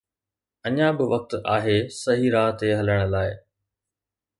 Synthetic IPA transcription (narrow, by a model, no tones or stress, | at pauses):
ɐɲãbɪʋɐk̚t̪aːɦesɐɦiɾaːt̪eɦɐləɽ̃ʊlaːɪ